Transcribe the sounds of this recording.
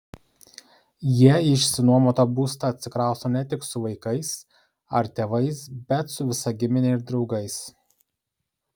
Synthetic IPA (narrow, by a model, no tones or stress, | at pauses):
jiɛɪʃʲsʲɪnuɔmot̪oːbuːst̪ɐɐt̪ʲsʲɪkɾɑˑʊsoːnʲɛt̪ʲɪksʊʋɐɪkɐɪs | ɐɾt̪ʲeːʋɐɪsbʲɛt̪sʊʋʲɪsɐɡʲɪmʲɪnʲeɪɾd̪ɾɒʊɡɐɪs